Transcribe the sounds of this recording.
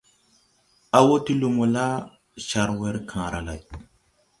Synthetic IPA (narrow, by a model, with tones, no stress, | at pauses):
a˨wo˦ti˦lu˨mu˨la˦ | ʃa˨ɾwe˦ɾkʰã˨ɾa̰˨la̰˨j